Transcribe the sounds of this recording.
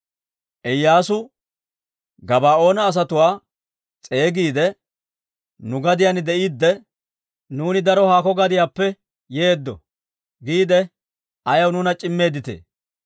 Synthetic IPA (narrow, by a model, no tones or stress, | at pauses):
ʔɛjːaːsʊ | ɡɐbaːo̞ːnɐːs̬ɐt̪ʊwaː | t͡sʼe̞ːɡiːd̪ɛ | nʊɡɐd̪ɪjanɪd̪ɛʔiːd̪ːɛ | nuːnɪd̪ɐɾɔhaːkɔɡɐd̪ɪjaːpːɛ | jeːd̪ːɔ̰ | ɡiːd̪ɛ | ɐjɐwnʊnɐt͡ʃʼɪmːe̞ːd̪ɪt̪ḛː